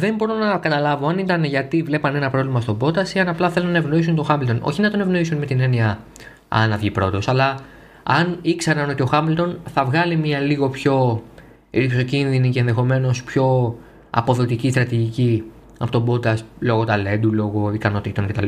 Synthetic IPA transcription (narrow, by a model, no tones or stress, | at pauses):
ðe̞mbo̞ɾo̞nɐkɐt̪ɐlɐvoɐnit̪ɐnʝɐt̪ivle̞pɐnenɐpɾo̞vlimɐst̪o̞bo̞t̪ɐsiɐnɐplɐθe̞lunːɐe̞vno̞is̬unt̪o̞xɐmilt̪o̞no̞̰çinɐt̪o̞ne̞vno̞isunme̞t̪ine̞niɐ | ɐ̰nɐvʝipɾo̞t̪o̞sɐlɐ | ɐnikseɾɐno̞t̪io̞xɐmilt̪o̞nθɐvɣɐlimɲɐliɣo̞pço̞ | ɾipso̞cinðinice̞ːnðe̞xo̞me̞no̞spço̞ | ɐ̰po̞ðo̞t̪icist̪ɾɐt̪iʝici | ɐpo̞t̪o̞bo̞t̪ɐslo̞ɣo̞t̪ɐle̞nd̪ulo̞ɣo̞ikɐno̞t̪it̪o̞ncet̪ɐl